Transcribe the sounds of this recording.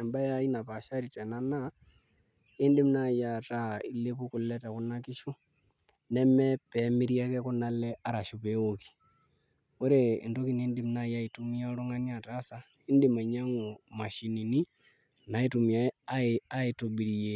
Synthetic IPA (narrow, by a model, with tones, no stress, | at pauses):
ɛ˨mba˦jai˦na˨pa˨ʃaɾi˨t͡ʃɛ˨nana | i˦ndi˦m̩˦naja˨ta˦i˦le˦pu˦ku˨lɛta˨ku˨naki˦ʃu˦ | nɛmɛ˦pɛmi˦ɾi˦a˦kɛku˦nalɛa˦ɾa˨ʃu˨pɛ˦oki̥˨ | u˦ɾeḭ˨ndo˦ki˦ni˦ndi˦m̩˦na˦ja˦i˨tumi˦alo˦ŋa˦nia˨tasa˦ | i˦ndi˦ma˨ɲa˦ŋo˨ma˨ʃi˨ni˨ni˦ | na˨i˦tu˨mi˨a˦a˦a˦i˨tu˨ɓi˨ɺi˨jɛ